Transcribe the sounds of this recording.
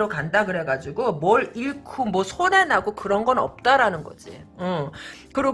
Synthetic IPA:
ɾokandakɯɾe̞ɡad͡ʑiɡomwʌɭiɭkʰumwʌsʰone̞naɡokɯɾʌnɡʌnʌ̰p̚t͈aɾanɯnɡʌd͡ʑḭɯkɯɾʌ

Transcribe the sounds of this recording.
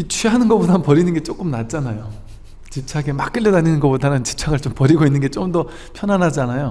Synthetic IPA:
it͡ɕʰiɦanɯnɡʌp͈odanpʌɾinɯnɡe̞t͡ɕ͈ok͈ɯmnat̚t͡ɕ͈anajo | t͡ɕit͡ɕʰaɡemak͈ɯɭʎːedaninɯnɡʌp͈odanɯnt͡ɕi̥p̚t͡ɕʰaɡɯɭt͡ɕompʌɾiɡoinːɯnɡe̞t͡ɕ͈omdʌ | pʰjʌnɦanɦad͡ʑianajo

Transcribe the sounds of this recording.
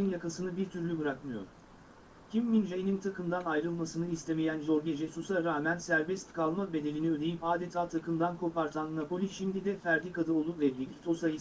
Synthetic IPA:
injakasɯnɯbiɾt̪ʰyɾlʲybɯɾakmɯjo̞̰ɾ̥ | cʲʰimːinʒejinint̪ʰakʰɯmd̪anajɾɯlˠmasɯnɯist̪ʰe̞mejænʒo̞ɾɟed͡ʒɛsusaɾaːmænsæɾbɛst̪kʰalˠmabe̞d̪e̞lʲiniød̪e̞jipaːd̪et̪ʰaːt̪ʰakʰɯmd̪ankʰo̞paɾt̪ʰanːapo̞lʲiʃimd̪id̪ɛfæɾd̪ikad̪ɯo̞lˠuvɛbiɡʲit̪ʰosaj

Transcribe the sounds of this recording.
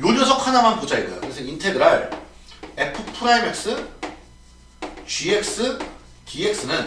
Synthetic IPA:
joʎʌsʰʌkʰanamanpod͡ʑaiɡojo̰kɯɾesʰʌintʰedɯɾaɭ | epʰɯpʰɯɾaimek̚s͈ɯ | t͡ɕiek̚s͈ɯ | tiek̚s͈ɯnɯn

